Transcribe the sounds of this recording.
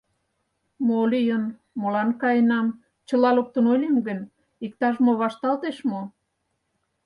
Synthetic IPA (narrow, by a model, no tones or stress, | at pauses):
molijən | molɑnkɑjənɑm | t͡ɕəlɑlok̚t̪ə̆nolʲemɡənʲ | ik̚t̪ɑʒmoβɑʃt̪ɑlt̪eʃmo